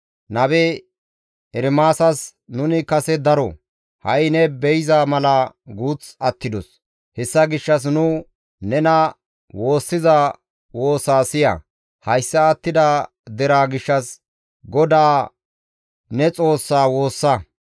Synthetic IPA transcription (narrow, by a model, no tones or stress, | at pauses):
nɐbɛ | ɛɾmaːsɐsnʊnɪkɐsɛd̪ɐɾɔ̰ | hɐjɪnɛbɛjɪzaːmɐlɐ | ɡuːt͡sɐt̪ːɪd̪ɔs | hɛsːɐɡɪʃːɐs̬nʊ | nɛnɐ | wo̞ːsːɪza | wo̞ːsaːsɪjɐ̰ | hɐjsːɐːt̪ːɪd̪a | d̪ɛɾaːɡɪʃːɐs | ɡɔd̪aː | nɛt͡sʼo̞ːsːaːwo̞ːsːɐ